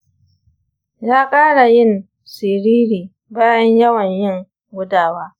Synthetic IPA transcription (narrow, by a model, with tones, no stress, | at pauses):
jaː˦kʼaː˦ɽa˨jɪ˦n | sɪ˨ɾiː˦ɾiː˨ | baː˦jɐ˦ɲjɐ˦wɐ˨ɲjɪ˦ŋ | ɡʷʊ˦daː˨waː˦